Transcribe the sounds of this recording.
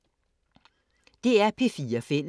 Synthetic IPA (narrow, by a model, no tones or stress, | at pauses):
d̥e̝æɐpʰe̝fiːɐfen̰